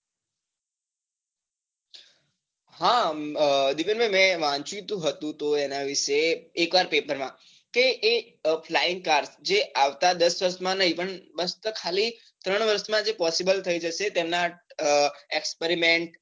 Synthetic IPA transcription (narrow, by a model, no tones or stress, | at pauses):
ɦã | d̪ipẽnbəmɛ̃ʋãt͡ʃĩt̪ũɦət̪ũt̪oenaʋɪʃeːkʋaɾpepəɾmã | keʔː | fʰlaiŋkaɾsd͡ʒeaʋt̪ad̪əsʋəɾʃmãnəɦipəɳbəst̪əkʰali | t̪ɾəɳ̃ʋəɾʃmãd͡ʒepɔsibəlt̪ʰəid͡ʒəʃet̪emna | ekspeɾimeɳʈ